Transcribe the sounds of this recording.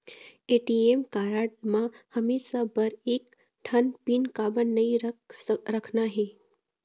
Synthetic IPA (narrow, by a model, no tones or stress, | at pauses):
eʈiemkaɾaʈ̚mãhəmeʃabəɾek | ʈʰənpinkabənːəĩɾɾəkʰnaɦe